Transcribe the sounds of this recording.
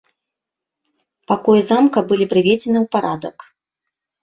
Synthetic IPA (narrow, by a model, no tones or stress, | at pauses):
pakɔjɛzamkɐbɨlʲipɾɨvʲed͡zʲenɨwpaɾʔad̪ɐ̰k